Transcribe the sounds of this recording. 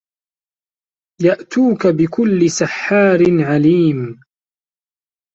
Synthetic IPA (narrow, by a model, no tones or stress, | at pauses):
jaʔt̪uːkabɪkʊlːɪsaħːaːɾɪnʕaliːm